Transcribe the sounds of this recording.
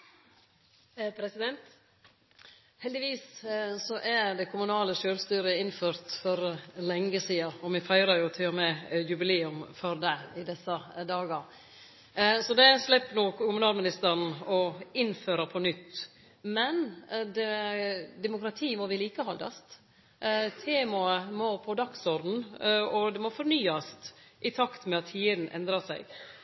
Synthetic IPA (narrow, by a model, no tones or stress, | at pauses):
pʰɾɛsɪd̪ɛnt̪ | hɛld̪ɪʋiːssɔʔæɾɖ̪ɛkʰʊmʉnɑːləʃøːlst̪yːɾəɪnføːɾt̪fɔɾlɛŋːəsiːɑɔmɪfæɪɾɑɾjʊt̪ʰɪlːɔmɛjʉbɪleːʉmfɔɾd̪ɛɪd̪ɛsːəd̪ɑːɡɑɾ | sɔd̪ɛslɛpːnɔːkkʊmʉnɑːlmɪnɪst̪əɾnɔɪnføːɾəpʰɔnʏt̪ː | mɛnd̪ɛd̪ɛmʊkɾɑt̪ʰiːmɔʋɪliːkəhɔld̪ɑ̰st̪ | t̪ʰeːmɑəmopʰɔd̪ɑksɔɾd̪n̩ɔd̪ɛmɔfɔɾnyːɑst̪ʔɪt̪ʰɑkt̪mɛɑt̪ʰːiːəd̪n̩ʔɛ̰nd̪ɾɑsæ̰ɪɡ